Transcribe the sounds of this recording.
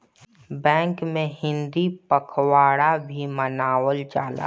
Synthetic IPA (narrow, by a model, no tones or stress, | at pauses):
bɛ̃ːŋkmẽhɪ̃nd̪ipəkʰwaːɽabʱimənaːwəld͡ʒaːla̰